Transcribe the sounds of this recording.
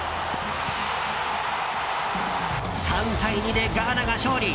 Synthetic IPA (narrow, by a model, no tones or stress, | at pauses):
sãnt̪aiɲid̪e̞ɡaːnaɡaɕoːɾʲi